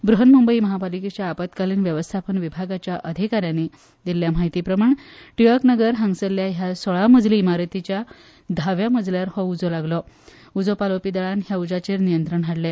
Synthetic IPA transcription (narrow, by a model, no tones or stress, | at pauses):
bɾuɦənmumbəiːməɦabaliket͡ɕjaːpat̪kaliːnʋjəʋəst̪ʰapənʋibʱaɡat͡ɕjaʔəd̪ʱikaɾjani | d̪ilːjam̤aɦit̪iːpɾəmaɳʈujəɾknəɡəɾɦaŋsəljaɦjasɔɭaməd͡zliːmaɾət̪it͡ɕja | d̪ʱaʋjaməd͡zljaɾhɔud͡zolaɡlɔ | ud͡zopalopid̪aɭanɦjaud͡zat͡ɕeɾnijənt̪ɾəɳɦaɽle